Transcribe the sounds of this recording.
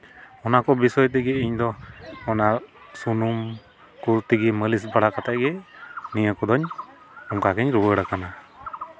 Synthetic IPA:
ɔnakɔbisɔjt̪̬ɛɡɛiɲd̪ɔːnaɾsunum | kuɾt̪iɡɛməlis̬baɽakat̪aʔɡɛnijəkɔd̪ɔɲ | ɔŋkakɛɲɾubəɽakana

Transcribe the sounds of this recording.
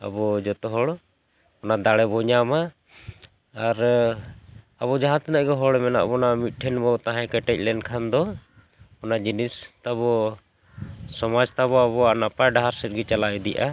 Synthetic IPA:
a̰bɔd͡ʒɔt̪ɔɦɔɽ | ɔnad̪aɽɛbɔɲama | ɾ | aβɔd͡ʒaɦãt̪ɛnaʔɡɛɦɔɽmɛna̰ʔbɔnamit̪̚ˀʈʰɛnbɔt̪aɦãkɛʈɛc̚ˀlɛnkʰand̪ɔ | ɔnad͡ʒinist̪aβɔ | sɔmad͡ʒt̪aβɔaβɔanapajɖaɦaɾsɛt̪̚ɡɛt͡ʃalaɛd̪ɛjʔa

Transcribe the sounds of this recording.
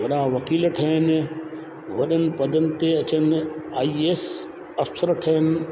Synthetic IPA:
ʋɐɗaʋɐkiːlʈʰɐɦən̆ | ʋɐɗənɪ̆pɐd̪ʱənɪ̆t̪eɐt͡ɕənɪaːiːeːs | ɐfsəɾʈʰɐɦɪnɪ̆

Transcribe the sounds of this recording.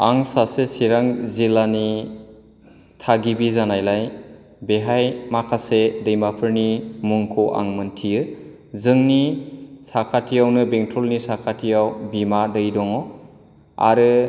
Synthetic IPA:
aŋsasesiɾaŋzilani | tʰaɡibizanajlaj | beɦajmakʰasedɯjmapʰɯɾnimuŋkʰɔʔa̰ŋmɯntʰijɯ | zɯŋnisakʰatʰijawnɯbeŋtʰɾɔlnisakʰatʰijawbimadɯjdɔŋɔ | a̰ɾɯ

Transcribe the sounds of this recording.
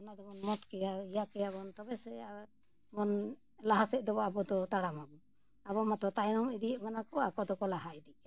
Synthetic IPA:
anad̪ɔbɔnmɔt̪kɛjaijakɛabɔnt̪ɔbɛsɛ | bɔn | laɦasɛʔd̪ɔbɔabɔd̪ɔt̪aɽamabɔ | aβɔmat̪ɔt̪ajnɔmɛd̪ijəʔmanakɔakɔd̪ɔkɔlaɦaid̪iʔka

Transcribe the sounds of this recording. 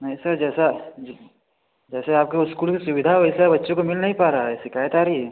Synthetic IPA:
nɐɦĩsɐɾd͡ʒɛːsad͡ʒ | d͡ʒɛːseaːp̚keʊskuːlkisʊʋɪd̪ʱaɦoɛsabɐtːʃõkomɪlnɐɦĩpaːɾaːɦɛsɪkaːjət̪aːɾɦiɛː

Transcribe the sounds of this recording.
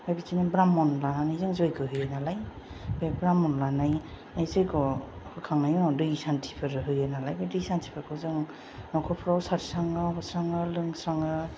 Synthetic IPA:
bajbitʰinabɾamɔnlananajzɯŋzɔjkʰɯɦɯjenalaj | bebɾamɔnlanaj | najzɯjkɔkʰɯkʰaŋnajɔnawdɯisantʰi̥pʰɯɾɯɦɯjenalajbedɯisantʰi̥pʰakʰɯzɯŋ | nɔkʰɔpʰɾawsaɾsaŋɯɦɔsɾaŋɯlɯŋsɾaŋɯ

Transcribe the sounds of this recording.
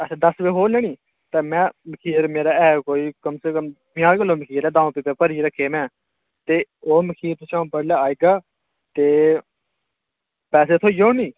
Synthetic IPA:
əsːd̪əsʋeːɦoːnɛːnĩː | t̪eːmɛ̃ːməkʰiːɾmeːɾaːɛːkoːiːkəmseːkəm | mjãːɾkəlːoːməkʰiːɾɛːd̪ãːõpiːpeːpəɾiːɾəkʰːeːmɛ̃ː | t̪eːoːməkʰiːɾt̪ɪt͡ʃʰãːbəɽlaːaːiːɡaː | t̪eː | pɛːs̬eːt̪ʰoːijoːnĩː

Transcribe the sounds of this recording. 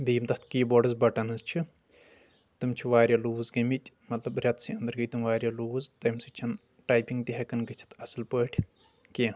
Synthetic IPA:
b̪iːmt̪ɐt̪ʰkiːboɖɨzbɐʈɐnɨzt͡ʃʰi | t̪ɨmt͡ʃʰiʋaːɾʲjaːluːzɡɐmit̪ʲ | mɐt̪lɐbɾʲɐt̪siɐnd̪ɐɾɡɐjt̪ɨmʋaːɾʲjaluːzt̪ɐmsɨt͡ʃʰɐn | ʈaːjpiŋɡt̪iɦɐkɐnɡɨt͡ʃʰi̥t̪ʰɐsɨlpəːʈʲʰ | keː

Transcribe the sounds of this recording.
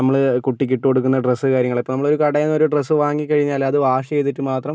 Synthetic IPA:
nɐmːɐɭkuʈːikʲːiʈːukoɽuk̬ːunːɐɖresɨkaːɾjɐŋːɐɭepːonɐmːɐɭoɾukɐɽɐjɐnːo̞ɾuɖresːɨʋaːŋɡikʲːɐɻiɲːaːlɐðɨʋaːʂɐejt̪ːiʈːɨmaːt̪rɐm

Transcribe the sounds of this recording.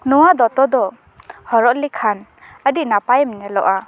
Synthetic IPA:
nɔwad̪ɔt̪ɔd̪ɔ | hɔɹɔʔlikʰan | ədinapajmnɛlɔʔa

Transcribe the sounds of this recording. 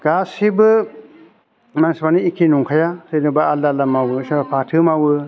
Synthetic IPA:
ɡ̥asibɯ | mansbaniikʰinuŋkʰajasenɯbaalːalamawɯsabapʰatʰɯmawɯ

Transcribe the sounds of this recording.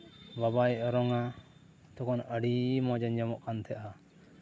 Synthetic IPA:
babajʔɔɾɔŋa | t̪ɔkɔnəɽimɔd͡ʒaɲd͡ʒamɔʔkant̪ʰɛʔa

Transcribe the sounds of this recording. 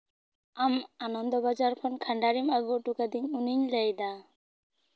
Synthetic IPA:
amanɔnd̪ɔbad͡ʒaɾkʰɔnkʰaɳɖaɾimaɡuʈukad̪iɲuniɲlejd̪a

